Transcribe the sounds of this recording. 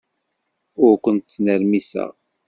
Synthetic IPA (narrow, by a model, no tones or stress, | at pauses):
ʊɾkʷːənt̪t͡sːnəɾmisə̰ʁ